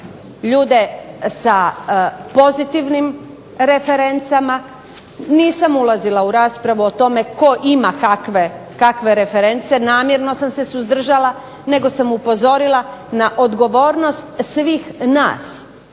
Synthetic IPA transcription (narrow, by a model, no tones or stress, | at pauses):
ʎuːd̪e̞sa | po̞zit̪iʋnim | ɾe̞fe̞ɾe̞nt̪sama | niːsamulˠazilˠauɾaːspɾaʋuot̪o̞me̞ko̞ʔimakakʋekakʋe̞ɾe̞fe̞ɾe̞nt̪sie̞naːmjeɾno̞samse̞suzd̪r̩ʒalˠa | ne̞ɡo̞samupo̞zo̞ɾilˠanaʔo̞d̪ɡo̞ʋo̞ːɾno̞st̪sʋiːxna̰ːs